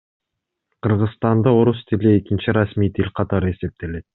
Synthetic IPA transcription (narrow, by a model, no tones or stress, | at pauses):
qʰɯɾʁɯzst̪ɑnd̪ɑo̞ɾust̪ʰiliekint͡ʃiɾasmijt̪ʰilʲqʰɑt̪ɑɾɯe̞se̞p̚t̪e̞le̞t̪̚